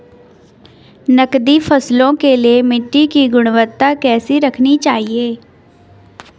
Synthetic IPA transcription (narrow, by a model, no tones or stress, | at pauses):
nəkd̪iːpʰəslõːkeːleːmɪʈːiːkiːɡʊɽ̃ʋət̪aːkɛːsiːɾəkʰniːt͡ʃaːɦieː